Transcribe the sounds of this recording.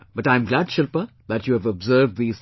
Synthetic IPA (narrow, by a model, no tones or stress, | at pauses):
b̥ʌʈãɪ̃mɡlæɖʃɪlpə | ðætjuːævɔbzəːvdðiːz̥